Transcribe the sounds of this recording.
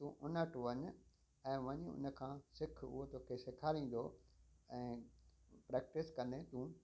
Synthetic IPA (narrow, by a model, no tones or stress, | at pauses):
t̪ũʔʊnəʈʋɐɲ̆ | ɛ̃ːʋɐɲʊ̰nə̆kʰãːsɪkʰʊ̰ɦot̪oːkʰesɪkʰaːlĩːn̆d̪oɛ̃ː | pɾɛːk̚ʈɪskɐ̃nd̪ẽt̪ũː